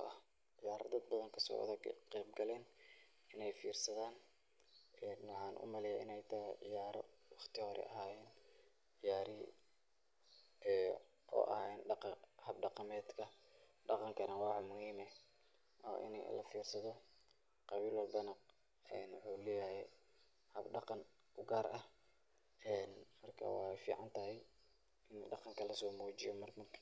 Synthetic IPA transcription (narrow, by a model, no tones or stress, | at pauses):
ʔɐ̰h | ʕɪjaːɾɐ̰d̪ɐd̪̚bɐðɐŋkʰɐsɔ̰ːðqɛːbɡɐlɛːn | ɪnɛjfiːrsɐðaːn | ɛnːħɑːnʔʊ̰mɐlɛjaɪ̰nɛjt̪ʰɐʕɪ̰jaːɾɔ̰wɑχt̪ʰɪhɔɾɛ̰ʔɐ̰ɦaːjɛːn | ɪjaːɾɪ | ʔɔ̰ːʔɐ̰hɛnɖɑqhɐb̚ɖɑqɑmɛːd̪kʰɐ | ɖɑqɑŋkʰɐnɐwɑħmʊhiːmɛ | ɔ̰ːʔɪ̰nɛ̰lɐ̰fiːrsɐðɔ | qɑβiːlwɐlbɐnɐ | ɛːnwɑħuːlɛːjɐhɛ | hɐbɖɑqɑn | ʔʊɡaːɾʔɐh | ɛːnmɐrkʰɐ̰wɑ̰fiːʕɑnt̪ʰɐɦɛj | ɪnɖɑqɑŋkʰɐlɐsɔːmɔːt͡ʃɪjɔmɐrmɐ